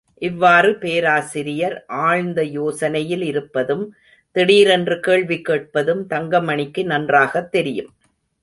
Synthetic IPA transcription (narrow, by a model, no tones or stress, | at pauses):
ʔɪʋːaːrɯpeːɾaːsɪɾɪjɐɾʔaːɻnd̪ɐjoːsɐnɐjɪlɪɾɯpːɐðɯm | t̪ɛɽiːɾɛndrɯkeːɭʋɪkːeːʈ̚pɐðɯmt̪ɐŋɡɐmɐɳɪkːɯnɐndraːɣɐt̪ːɛɾɪjɯm